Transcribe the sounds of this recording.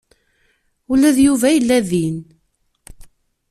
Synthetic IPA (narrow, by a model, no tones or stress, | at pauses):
ulːæðjuvæjəlːæðin